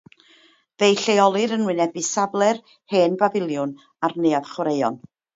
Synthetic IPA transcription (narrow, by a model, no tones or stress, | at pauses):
ðejɬejɔlˠɨɾənwɨnɛbɨsablˠɛr | heːnbavɪlˠjʊn | arnejað̥χwɾejɔn